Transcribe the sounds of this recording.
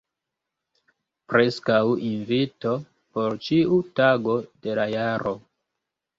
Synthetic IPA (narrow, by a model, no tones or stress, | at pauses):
pɾe̞skawinvito̞ | po̞ɾt͡ʃiutaɡo̞d̥e̞lajaɾo̞